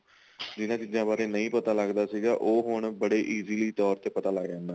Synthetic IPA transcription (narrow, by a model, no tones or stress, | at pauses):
d͡ʒɪnãːt͡ʃizãːbaːɾeːnəĩːpət̪aːləɡd̪aːsiːɡaːʔoːɦʊɳbəɽeːʔiːziːliːt̪ɔːɾt̪eːpət̪aːlaːɡd͡ʒãːnd̪aː